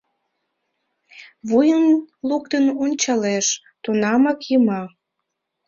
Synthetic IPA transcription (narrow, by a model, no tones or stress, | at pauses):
βujənluk̚t̪ənonʲt͡ɕɑleʃ | t̪unɑmɑkjəmɑ